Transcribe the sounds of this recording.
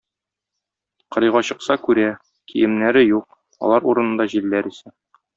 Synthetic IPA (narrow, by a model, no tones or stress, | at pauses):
qɤ̆ɾɤ̆jʁɑɕɤ̆qsɑkʉɾæ | kʰḭjɘ̆mnæɾɘjuq̚ | ɒ̰lˠɑɾuɾɤ̆nɤ̆nd̪ɑʑilːæɾisæ